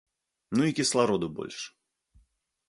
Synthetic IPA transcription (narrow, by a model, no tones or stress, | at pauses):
nuikʲɪslˠɐɾod̪ʊbo̰lʲʂɨ̥